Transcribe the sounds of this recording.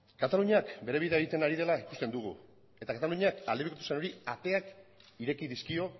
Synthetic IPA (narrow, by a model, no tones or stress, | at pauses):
kat̪aluɲakbe̞ɾe̞β̞iðeeɣit̪e̞naɾið̞e̞laiku̥st̪end̪uɣ̞ṵ | e̞t̪akat̪aluɲakald̪eikot̪useno̞ɾiat̪e̞ak | iɾe̞kiðiskio̞